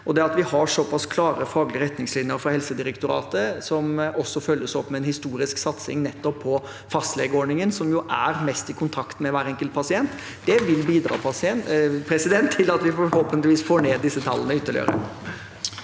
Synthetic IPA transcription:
ɔd̪ɛɑt̪ʋɪhɑʂɔpɑskʰlɑːɾəfɑːɡlɪəɾɛt̪nɪŋslɪnjəɾfɔhɛlsəd̪ɪɾɛkt̪ʊɾɑ̰ːt̪əsɔmʔɔsːɔfœlːəsɔpːmɛɛnhɪst̪uːɾɪsksɑt̪sɪ̰ŋnɛt̪ːɔpʰːɔ | fɑst̪leːɡəɔːɳɪŋənsɔmjʊʔæ̰ɾmɛst̪ɪkʰʊnt̪ʰɑkt̪mɛʋæːɾɛŋkəlt̪̚pʰɑsɪɛnt̪ | d̪ɛʋɪlbiːd̪ɾɑ̰ːpʰɑsɪɛnpʰɾɛsɪd̪ɛnt̪ʰːɪlɑt̪ʋɪfɔɾhɔlpənt̪lɪʋiːsfoːɳeːd̪ːɪsːət̪ʰɑlːənəʏt̪ːəlɭɪ̰ø̰ːɾə̰

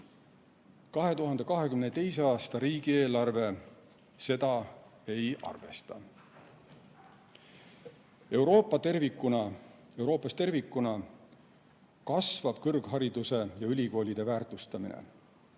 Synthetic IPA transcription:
kɑɦe̞t̪uɦɑnd̪̥e̞kɑɦe̞kymnet̪e̞jseɑːst̪ɑɾiːɡ̥ie̞ːlɑrve̞ | se̞d̪̥ɑe̞jɑ̰rve̞̰st̪ɑ | e̞wɾo̞ːpːˑɑt̪ervikːˑunɑ | e̞wɾo̞ːpːˑɑst̪e̞rvikːˑunɑ | kɑsvɑb̥̚kɤrɡ̥ɦɑɾid̪̥use̞jɑylʲiko̞ːlʲid̪̥e̞væːrt̪ˑust̪ɑminḛ

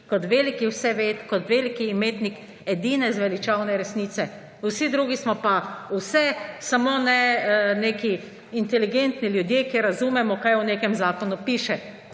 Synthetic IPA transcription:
kɔt̪ʋelikiwsɛʋet̪kɔt̪ʋeːlikiːmeːt̪nik | ɛd̪iːnɛzʋɛlit͡ʃawnɛɾɛsniːt̪sɛ | wsid̪ɾuːɡismɔpausɛsamoːnɛneːki | int̪ɛliɡent̪niljud̪jeːkeɾːazuːmɛmɔkajuneːkɛmzaːkɔnupiːʃɛ

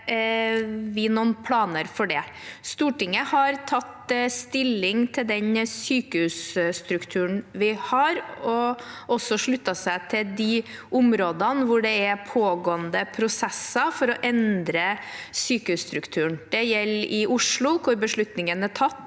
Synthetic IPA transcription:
ʋɪnuːnpʰlɑːnəɾfɔɖɛst̪uːʈɪŋːəhɑɾt̪ʰɑt̪st̪ɪlːɪŋt̪ʰɪld̪ɛɲsyːkəhʉːsst̪ɾʉkt̪ʰʉːɳʋɪhɑɾɔʔɔsɔʂɭʉt̪ːɑsæɪt̪ʰɪld̪ɪʊmɾoːd̪ɑnʋʊɖɛæpʰoːɡoːənd̪əpʰɾʊsɛsːɑfɔɾɔʔɛnd̪ɾəsyːkəʉːst̪ɾʉkt̪ʰʉːəɳd̪̥ɛjɛlːɪʊʂɭʊkʰʊɾbəʂɭʉt̪nɪŋənæʈʰɑt̪ː

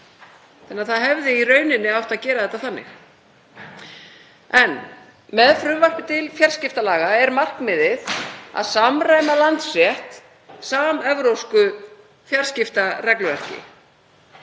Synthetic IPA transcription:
θɛnːaðθaðɦɛvðɪirœːɥnɪnːɪawht̪aðcɛːɾaðɛt̪aθanːɪ̰x | ɛn | mɛðfɾʏmvar̥pʏt̪ɪlfjar̥scɪft̪alaːɣaɛɾmar̥kmɪðɪθa̰ðsamraːjmalant̪srjɛht̪ | saːmɛvɾowskʏ | fjar̥scɪft̪arɛklʏvɛr̥cɪ̰

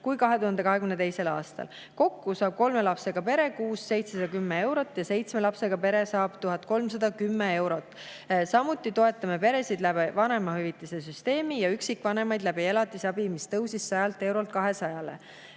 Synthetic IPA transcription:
kujkɑɦe̞t̪uhɑnd̪e̞kɑɦe̞kymnet̪e̞jse̞lɑ̰ːst̪ɑ̰l | ko̞kːusɑːb̥̚ko̞lme̞lɑpse̞ɡ̥ɑpe̞ɾe̞kuːsːe̞jt̪sesɑd̪ɑkymːee̞wɾo̞t̪ːˑjɑse̞jt̪smelɑpse̞ɡ̥ɑpe̞ɾe̞sɑːb̥t̪uɦɑt̪̚ko̞lms̬ɑd̪̥ɑkymːee̞wɾo̞t̪ːˑ | sɑmut̪ːˑit̪o̞e̞t̪ːˑɑme̞pe̞ɾe̞sid̪læbivɑne̞mɑhyvit̪ːˑisesyst̪e̞ːmijɑyksikːˑvɑne̞mɑjd̪læbielɑt̪ːˑisɑb̥imist̪ɤwsisːɑjɑlt̪ːˑe̞wɾo̞lt̪̚kɑɦe̞sɑjɑle̞̰

